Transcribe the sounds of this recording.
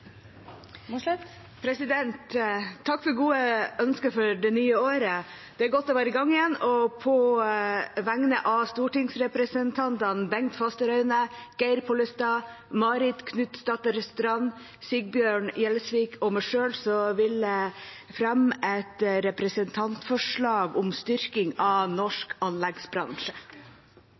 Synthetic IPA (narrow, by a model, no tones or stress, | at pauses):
pʰɾɛsɪd̪ɛnt̪ʰːɑkːfɔɾɡuːəœnskəfɔɾɖɛnyːəoːɾə | d̪̥ɛæɾɡɔt̪̚ːd̪ɛʋæːɾəɡɑŋːɪjɛnːɔpʰɔ | ʋæŋnəʔɑst̪uːʈɪŋsɾɛpɾəsənt̪ʰɑnt̪ɑnbɛŋt̪fɑst̪əɾœʉnəɡ̥æɪɾpʰɔlɪst̪ɑ | mɑɾɪt̪kʰnʉt̪st̪ɑt̪əɾɛst̪ʉɾɑn | sɪɡ̚bjøːɳjɛlsʋiːkʰɔmæʂøːlsɔʋɪlə | fɾɛmɛt̪ɾɛpɾəsənt̪ʰɑnt̪fɔʂɭɑːɡʊmst̪ʏɾkɪŋɑnɔʂkɑnlɛɡsbɾɑ̰ŋʂə̥